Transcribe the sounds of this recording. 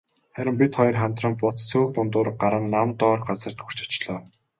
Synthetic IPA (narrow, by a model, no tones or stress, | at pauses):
χæɾʲɪ̆mpʲit̪χɔjɞ̆rχam̥t̪rə̆mpʊt͡s̪t͡sʰɵːkt̪ʊnt̪ʊːɾə̆ɢaɾə̆nːamt̪ɔːrɢat͡sə̆r̥t̪ɡur̥t͡ɕḁt͡ɕɮɔː